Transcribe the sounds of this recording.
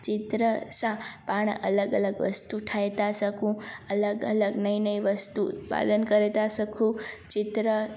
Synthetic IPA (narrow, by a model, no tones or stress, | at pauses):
t͡ʃɪt̪ɾəsãpaɳ̃ʔələɡələɡʋə̰st̪uʈʰajt̪asəkʰũələɡə̰ləɡnəĩnəĩʋəst̪ṵːt̪pa̰d̪ənkəɾet̪asəkʰũt͡ʃɪt̪ɾə